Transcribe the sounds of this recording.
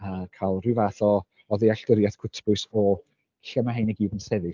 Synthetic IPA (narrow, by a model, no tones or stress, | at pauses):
akʰalˠrɨvaːθɔ | ɔðiaɬd̥əɾjaθkʰʊtʰbʊsɔ̥ | ɬəmaɦanɛɡiːvənsɛðɨ